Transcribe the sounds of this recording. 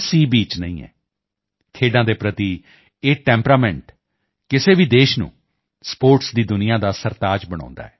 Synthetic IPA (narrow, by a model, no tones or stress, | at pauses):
siːbiːt͡ʃnəĩːɛ̰ː | kʰeːɖãːd̪eːpɾət̪iː | eːʈɛ̃ːmpɾaːmɛ̃ɳʈ | kɪseːʋiːd̪eːʃnṵ̃ː | spoːɾʈsd̪iːd̪ʊnɪjãːd̪aːsəɾt̪aːd͡ʒbəɽ̃ã̰ːnd̪a̰ːɛː